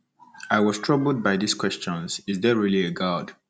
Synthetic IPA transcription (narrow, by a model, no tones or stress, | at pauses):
aɪwɔz̥tʰɹ̥ʌbl̩ˠd̚baɪðiskʰw̥ɛst͡ʃɔ̃nz̥ɪzðɛɹiliəɡad̥